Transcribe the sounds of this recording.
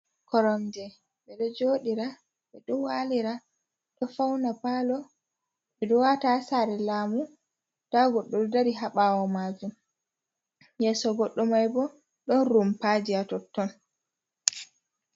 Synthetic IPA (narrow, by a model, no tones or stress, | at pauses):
kɔɾɔmd͡ʒɛ | ɓɛɗɔd͡ʒoːɗiɾa | ɓɛɗɔwaliɾa | ɗɔfawnapalɔ | ɓɛɗɔwatasaɾɛlaːmu | taɡɔɗːɔɗɔdaɾiɦaɓawɔmad͡ʒum | jɛːsɔɡɔɗːɔmajbɔ | ɗɔnɾumpad͡ʒiatɔtːɔn